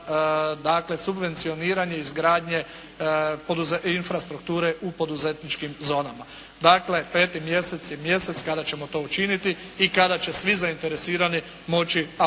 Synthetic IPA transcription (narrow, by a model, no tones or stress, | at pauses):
d̪akle̞subʋent̪sio̞niːɾaɲe̞izɡɾaːd̪ɲe̞ | po̞d̪uzeinfɾast̪ɾukt̪uːɾe̞ʔupo̞d̪uze̞t̪nit͡ʃkimzo̞ːnama | d̪aːkle̞pe̞ːt̪imje̞se̞t̪sjemje̞se̞t̪skad̪at͡ʃe̞mo̞t̪o̞ːut͡ʃinit̪iːkad̪at͡ʃe̞sʋizaint̪e̞ɾe̞siːɾani | mo̞t͡ʃia